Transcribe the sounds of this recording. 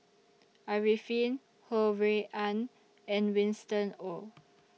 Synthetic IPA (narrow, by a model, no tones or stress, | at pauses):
aɹifĩn | howeʔãn | ɛ̃nwĩnstə̃no